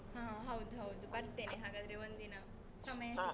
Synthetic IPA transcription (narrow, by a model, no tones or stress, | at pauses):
ɦãɦawd̪ɦaud̪bɐɾt̪eneɦaɡad̪ɾeʋənd̪ina | sɐməjas